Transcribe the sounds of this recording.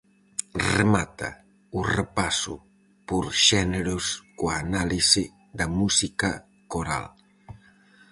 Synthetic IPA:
remat̪a̰ | urepasṵ | puɾʃɛneɾuskoaːnalisi | d̪amusika | koɾa̰l

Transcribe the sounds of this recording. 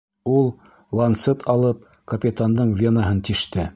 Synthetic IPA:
ulˠ | lˠɐnt̪sɤt̪ʰɑlˠɤp̚ | kɐpʲɪt̪and̪ɤɴvʲenaɦɤnt̪iʃt̪ɘ

